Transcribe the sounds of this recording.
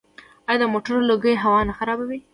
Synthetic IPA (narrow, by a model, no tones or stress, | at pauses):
ɑjɑd̪əmoʈəɾoloɡəɦawɑnaxaɾɑbawi